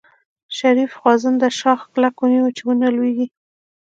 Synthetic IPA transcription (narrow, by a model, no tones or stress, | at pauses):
ʃaɾifxwɑzand̪əʃɑxklakwuniwut͡ʃewunalweɡi